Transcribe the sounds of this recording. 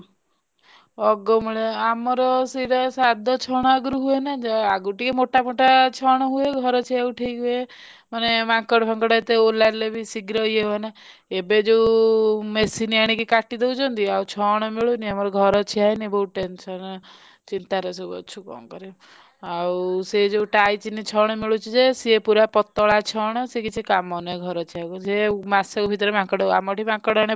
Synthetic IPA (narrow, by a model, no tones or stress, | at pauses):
ɔɡɔmeɭeamɔɾɔsiɾɔsad̪ʱɔt͡ʃʰɔɽ̃ɔaɡɾuɦuenad͡ʒɔaɡuʈikemoʈamoʈat͡ʃʰɔɽ̃ɔɦueɡʱɔɾɔt͡ʃʰieuʈʰeɡue | manemãŋkɔɽpʰɔŋkɔɽɔet̪eolaɾlebʱisiɡɾɔjeɦuena | ebed͡ʒewmesiniaɽ̃ikikaʈid̪ewt͡ʃʰɔnt̪iawt͡ʃʰɔɽ̃ɔmiɭuniamɔɾɔɡʱɔɾɔt͡ʃʰiajnibɔuʈensɔn | t͡ʃint̪aɾesubɔ̰t͡ʃʰukɔ̰ŋkɔɾi | awsed͡ʒeuʈajt͡ʃinit͡ʃʰɔɽ̃ɔmiɭut͡ʃʰid͡ʒesiepuɾapɔt̪ːɔɭat͡ʃʰɔɽ̃ɔsekit͡ʃʰikamɔnɔeɡʱɔɾɔt͡ʃʰiakusemasɔkɔbʱit̪̬ɾemãŋkɔɽɔa̰mɔʈʰimãkɔɽɔɽ̃i